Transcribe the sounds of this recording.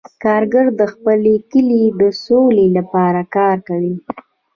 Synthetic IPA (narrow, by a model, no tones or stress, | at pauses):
kɑɾɡəɾd̪əxpəlekəlid̪əsolelapɑɾakɑɾkawi